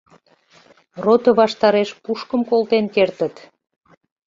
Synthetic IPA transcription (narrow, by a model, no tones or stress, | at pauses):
rot̪əβɑʃt̪ɑɾeʃpuʃkəmkolt̪enkert̪ə̆t̪